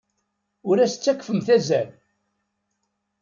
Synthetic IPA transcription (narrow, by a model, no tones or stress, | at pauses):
ʊɾæsə̥t͡sːækːfəmθæzæl